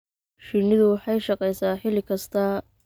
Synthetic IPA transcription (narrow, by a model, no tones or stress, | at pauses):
ʃɪnɪðʊwɑħɑjʃɑqɛjsaːħɪlɪkʰɐst̪ʰɐ